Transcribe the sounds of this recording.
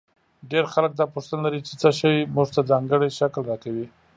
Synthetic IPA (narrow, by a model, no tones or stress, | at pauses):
ɖeɾxalək̚d̪ɑpoʂt̪ənalaɾit͡ʃet͡səʃajmuʐt̪ad͡zɑŋɡəɽeʃaklɾɑkawi